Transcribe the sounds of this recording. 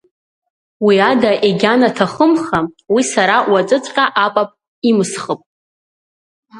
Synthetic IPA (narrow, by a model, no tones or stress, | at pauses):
wiadaʔeɡʲanatʰaχəmχawisaɾawat͡sʷʼɨt͡sʷʼqʲʼaʔapʼapʼ | imɨsχəpʼ